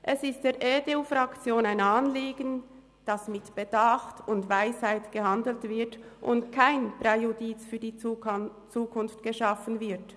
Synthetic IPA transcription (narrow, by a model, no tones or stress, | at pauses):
ʔɛsɪstd̥eːʔeteufrɑkt͡sjoːnaɪnɑːnliːɡən | d̥ɑsmɪtb̥əd̥ɑχtʊntvaɪshaɪtɡ̥əhɑndl̩tv̥ɪɐt | ʔʊntkʰaɪnprejodit͡sfyːɐdiː | t͡suːkʰʊnftɡ̥əʃɑfənvɪɐt